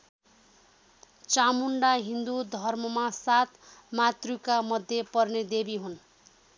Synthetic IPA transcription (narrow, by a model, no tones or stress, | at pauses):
t͡samuɳɖaɦind̪ud̪ʱʌrmʌmasat̪mat̪rukamʌd̪ʱjepʌrned̪ebiɦun